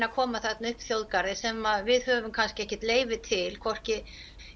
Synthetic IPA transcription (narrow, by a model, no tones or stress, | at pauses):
nakʰɔːmaθɛt̪nʏhpθjowðkaɾðɪsɛmaðvɪðhœvʏmkʰanscɪɛhcɛ̥t̪leːjvɪt̪ʰɪlkʰɔr̥cɪ